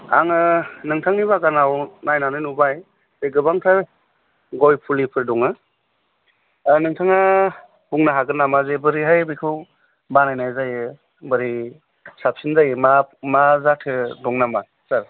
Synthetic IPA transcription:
a̰ŋɯnɯŋtʰaŋniβaɡanawnajnanɯnubaj | z̥eɡɯbaŋtʰaɾ | ɡɔjpʰulipʰɯɾdɔŋɯ | nɯŋtʰaŋa | buŋnaɦaɡɯnamazebɯɾiɦajbikʰɯw | banajnajzajɯ | bɯɾi | sap̚sinzajɯmamazatʰɯdɔŋnama | saɾ

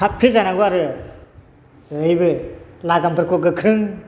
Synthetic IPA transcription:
apʰilzanaɡoaɾɯ | ɯjbɯlaɡampʰɯɾkʰɔɡɯkʰɾɯŋ

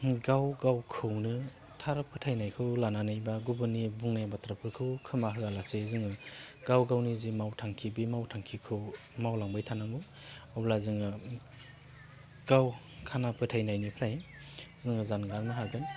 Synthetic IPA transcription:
ɡawɡawkʰɯwnɯ | tʰaɾɯpʰɯtʰajnajkʰɯwlananɯjbaɡubɯnibuŋnajabatɾapʰɯɾkʰɯwkʰɯmaɦɯalasezɯŋɯɡawɡawnizimawtʰaŋkʰibimawtʰaŋkʰikʰɯw | mawlaŋbajtʰanaŋɯ | awblazɯŋɯ | ɡ̥aw | kʰanapʰɯtʰajnajnipʰɾaj | zɯŋɯzanɡalnɯɦaɡɯn

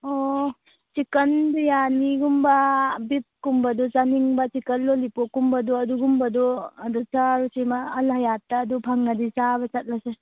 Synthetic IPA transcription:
ɔ | t͡ʃikəndujaniɡumbabit̚kumbadɔzaniŋbat͡ʃikənlolipokːumbadɔɐduɡumbadɔɐdut͡ʃaɾusemaːlɦajatːadupʰaŋːadisabat͡ʃat̚lase

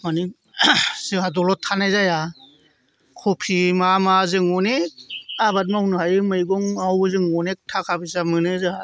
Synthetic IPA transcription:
mani | sɯɦadɔlɔtʰːanajzaja | kʰɔpʰimamazɯŋɔneabat̬̚mawnɯɦajɯmɯjɡɔŋawzɯŋɔnek̚tʰakʰabɯsamɯnɯzɯa

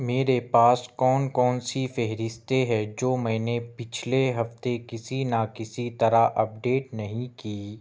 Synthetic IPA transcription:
meːɾepaːskɔːnkɔːnsifɛɦɾɪst̪eɦɛd͡ʒoːmɛ̃ːnepɪt͡ʃʰleɦɐft̪ekɪsinakɪsit̪ɐɾaʔɐp̚ɖeːʈnɐɦĩkiː

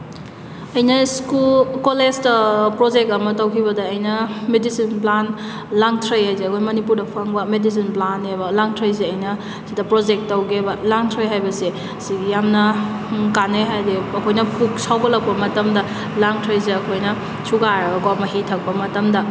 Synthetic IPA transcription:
ɐjnɐskulkolestɐpɾod͡ʒek̚tɐmɐtɐwkʰiβɐdɐːjnɐmedisinplan | laŋtʰɾɐjhajzeɐkʰojmɐnipuɾdɐpʰɐŋbɐmedis̬inplanebɐlaŋtʰɐjs̬eɐjnɐ | sidɐpɾod͡ʒek̚tːɐwɡebɐlaŋtʰɾɐjɦajbɐse | siɡijamnɐ | kaneɦajdeɐkʰojnɐpʰuk̚sawɡɐlɐk̚pɐmɐtɐmdɐ | laŋtʰɾɐjz̬eɐkʰojnɐ | sʰuɡaɾɡomɐɦitʰɐk̚pɐmɐtɐmdɐ

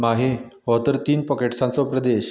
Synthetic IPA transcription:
maɦeɦɔt̪əɾt̪iːnpəkeʈsãnt͡sɔpɾəd̪eɕ

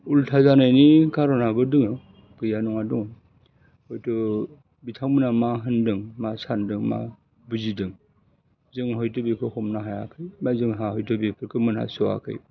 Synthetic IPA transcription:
ultʰazanajnikaɾɔnabɯdɯŋɯ | kɯjanɔŋaduŋ | hɔjtʰɯ | bitʰaŋmɯnamaɦɯndɯŋmasandɯŋma̰ | buzidɯŋ | zɯŋɦɔjtɯbekʰɯhɔmnaɦaja̰kʰɯjmazɯŋɦahɔjtʰɯbepʰɯɾkʰɯmɯnha̰sɔa̰kʰɯ̰j

